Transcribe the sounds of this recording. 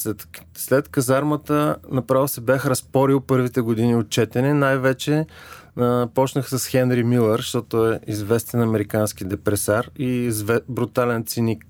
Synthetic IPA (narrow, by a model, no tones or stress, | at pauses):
ɛt̪ | slɛt̪kɐzaɾmət̪ənɐpɾavsɛbaxɾɐspɔɾilˠpɤɾvit̪ɛɡod̪iniot̪̚t͡ʃɛt̪ɛnɛnajvɛt͡ʃɛ | pɔt͡ʃnəxsɐsxɛnɾimilˠɛɾʃt̪ɔt̪ʊɛizvɛst̪ɛnɐmɛɾikansk̟id̪ɛpɾɛsaɾizvɛbɾut̪alɛnt̪sinik̚